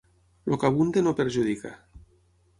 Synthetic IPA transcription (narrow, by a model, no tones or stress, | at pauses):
lokaβund̪enopeɾʒuðika̰